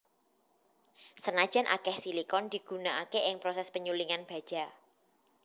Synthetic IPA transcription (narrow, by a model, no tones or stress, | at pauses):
sənad̥ʒ̥a̤nʔa̰kɛhsilikɔnd̪̥i̤ɡ̥ṳnaʔakeʔɪŋpɾosɛspəɲuliŋanb̥a̤d̥ʒ̥a̤